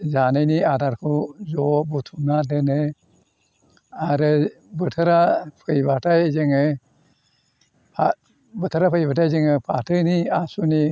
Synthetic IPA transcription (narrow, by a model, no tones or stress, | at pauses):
zanɯjniadaɾkʰuzɔbutʰunadenɯ | aɾɯ | bɯtʰɯɾapʰɯjbatʰajzɯŋɯ | a | bɯtʰɯɾapʰɯjbatʰajzɯŋɯpʰatʰɯniasuni